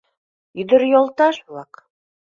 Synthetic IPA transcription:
jɵ̆ðɵ̆ɾjɒlˠt̪ɑʃulˠɑq

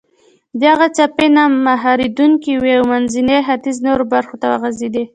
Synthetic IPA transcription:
d̪aɣat͡ʃapenamaɦɑɾid̪uŋkiwiawmanzineɦat̪iznoɾobaɾxot̪awaɣazed̪i

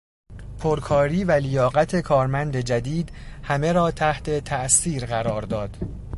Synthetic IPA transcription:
pʰoɾkʰɒːɾiːvælijɒːɣæt̪ʰe̞kʰɒːɾmænd̪e̞d͡ʒæd̪iːd̪hæme̞ɾɒːt̪ʰæht̪ʰe̞t̪ʰæʔsiːɾɣæɾɒːɾd̪ɒːd̪̥

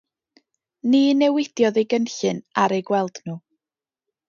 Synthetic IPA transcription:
niːnɛwɪd̥jɔðejɡənɬɨnaɾejɡwɛlˠd̥nuː

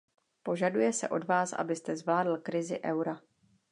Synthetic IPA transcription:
po̞ʒadujɛsɛ̰ʔo̞dvaːsʔa̰bɪst̪ɛzvlaːdl̩kɾɪzɪʔɛwɾa

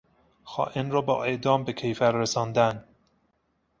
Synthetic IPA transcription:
xɒ̰ːʔenrɒːbɒ̰ːʔe̞ʔd̪ɒːmbecʰejfæɾːesɒːnd̪æn

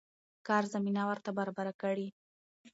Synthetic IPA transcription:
kɑɾzaminawəɾt̪abaɾɑbaɾakəɽi

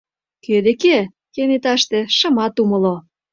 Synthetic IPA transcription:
kød̪eke | kenet̪ɑʃt̪ĕʃɤ̆mɑt̪umɤ̆lo

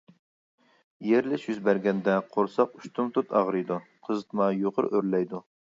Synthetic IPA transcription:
jeɾlɪʃjyzbæɾɡʲɛnd̪ɛqʰoɾsɑqyʃt̪ʰumt̪ʰut̪ʰɑʁɾɨjd̪uqʰəzɨt̪mɑjoʁə̰ɾøɾlɛjd̪u

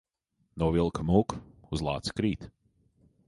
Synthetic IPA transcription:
nɔwvilˠkamuːkuzlˠa̰ːt̪skɾiːt̪

